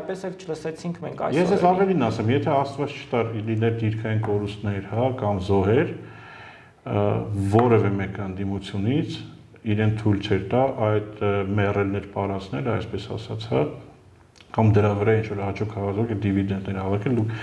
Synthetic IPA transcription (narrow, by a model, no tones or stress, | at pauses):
pɛsɛlt͡ʃʰələsɛt͡sʰiŋkʰmɛ̰ŋkʰɑ̰jjɛsd͡zɛzɑvɛlinɑsɛmjɛt̪ʰɛɑst̪vɑt͡st͡ʃʰə̥t̪ɑɾlinɛɾd̪iɾkʰɑjinkɔɾust̪nɛɾhɑkɑmzɔɦɛɾ | vɔɾɛvɛmɛkəənd̪imut͡sʰjunit͡sʰ | iɾɛnt͡sʰt̪ʰujlt͡ʃʰɛɾt̪ɑʔɑjd̪mɛrɛlnɛɾpɑɾɑt͡snɛləɑjspɛsɑ̰sɑ̰t͡sʰhɑ | kɑmd̪əɾɑvəɾɑint͡ʃʰvɔɾɑt͡ʃʰɔkʰhɑvɑzvɔkʰɛd̪ivid̪ɛnd̪nɛɾhɑvɑkʰɛld̪ukʰ